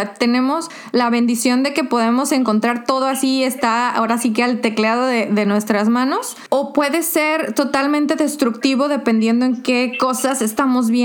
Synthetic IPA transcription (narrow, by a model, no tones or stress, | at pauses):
t̪e̞nẽ̞mo̞s | laβe̞nd̪isjo̞nd̪e̞ke̞po̞ðe̞mo̞se̞ŋko̞nt̪ɾaɾt̪o̞ð̞o̞asiest̪aa̰o̞ɾasikealt̪e̞klaðo̞ðeðe̞nwe̞st̪ɾazmãno̞s | o̞pwe̞ðe̞se̞ɾt̪o̞t̪almẽnt̪e̞ðe̞st̪ɾukt̪iβo̞ðe̞pe̞nd̪jend̪oe̞ŋke̞ko̞sase̞st̪amo̞zβje